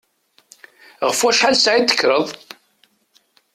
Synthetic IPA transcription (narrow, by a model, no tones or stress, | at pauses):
ʁəfwæʃħalsʕit̪ːə̥kːɾəðˤ